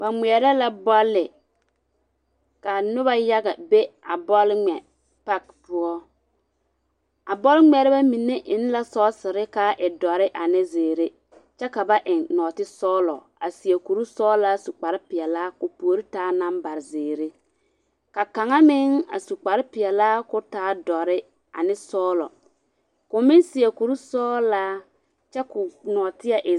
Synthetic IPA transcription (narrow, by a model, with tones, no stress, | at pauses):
ba˨ŋ͡mi˨ɛ˨ɾɛ˦la˦bɔ˦lːɪ˨ | ka˨nʊ˦ba˦ja˦ɡa˨be˦a˨bɔ˦lŋ͡mɛ˨ | pa˦kpʊ˦ɔ˦ | a˨bɔ˦lŋ͡mɛ˨ɾɪ˦ba˦mi˨nːe˦ʔɪ˦n˦la˦sɔː˦sɪ˨ɾɪ˦ka˦ʔɪ˨dɔ˨ɾɪ˦ʔa˨nɪ˦zeː˨ɾe˦ | t͡ʃɛ˦ka˨ba˦ʔɪ˨ŋnɔː˨tɪ˦sɔː˦lɔ˨ | a̰˨si˨e˨ku˨ɾu˦sɔː˦laː˦su˨k͡pa˨ɾɪ˦pɪ˨ɛ˨laː˦kʊ˨po˨o˨˦ɾi˦taː˦na˦mba˨ɾɪ˨zeː˨ɾe˦ | ka˨ka˨ŋa˦mɪ˦ŋa̰˨su˨k͡pa˨ɾɪ˦pɪ˨ɛ˨laː˦kʊ˦taː˨˦dɔ˨ɾɪ˦ | a̰˨nɪ˦sɔː˦lɔ̰˨ | kʊ˨mɪ˦nsɪ˨e˨ku˨ɾu˦sɔː˦laː˦ | t͡ʃɛ˦kʊ˨nɔː˨tɪ˦a˦ʔɪ˨